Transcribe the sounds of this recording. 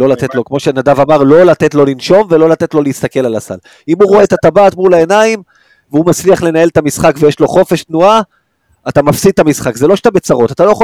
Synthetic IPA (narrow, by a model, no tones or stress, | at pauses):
lo̞lat̪e̞t̪lo̞kmo̞ʃenadavamaʁlo̞lat̪et̪lo̞linʃo̞mve̞lo̞lat̪e̞t̪lo̞leist̪ake̞lalasa̰l | imuʁoet̪at̪abaːt̪mulae̞naim | veumat͡sliaχle̞nae̞lt̪amisχakvejeʃlo̞χo̞fe̞ʃt̪nuaː | t̪amafsid̪̚t̪ːamisχakzelo̞ʃt̪abet͡saʁo̞tat̪alo̞jeχo